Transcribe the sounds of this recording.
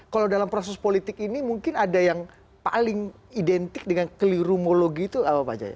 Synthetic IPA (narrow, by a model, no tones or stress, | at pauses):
kalawdalampɾos̬ɛspolit̪ɪkinimuŋkɪnadajaŋ | pa̰lɪŋ | idɛnt̪ɪk̚dəŋankəliɾumoloɡiːt̪uapapa̰d͡ʒa̰ja̰